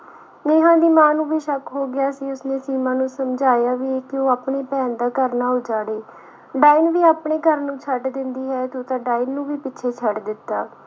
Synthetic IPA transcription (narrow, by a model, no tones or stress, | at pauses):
neːɦãːd̪iːmãːnũːbiːʃəkɦoːɡɪaːsiːʊsneːsiːmãːnũːsəmd͡ʒaːjaːʋiːeːkɪoːaːpɳeːpɛːnd̪aːkəɾnaːɦoːd͡ʒaːɽeː | ɖaːinʋiːaːpɳeːkəɾnũːt͡ʃʰəɖd̪ɪnd̪iːɦɛːt̪oːt̪ãːɖaːiːnːũːʋiːpɪtːt͡ʃʰeːt͡ʃʰəɖd̪ɪt̪ːaː